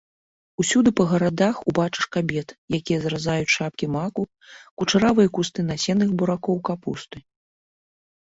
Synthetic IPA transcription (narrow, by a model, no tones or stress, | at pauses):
usʲud̪ɨpɐɣɐɾad̪axubat͡ʂɨ̥ʂkabʲɛt̪jakʲijɐzɾazajut͡sʲʂapkʲimaku | kut͡ʂaɾavɨjɐkust̪ɨnasʲɛnɨxbuɾakɔwkapṵst̪ɨ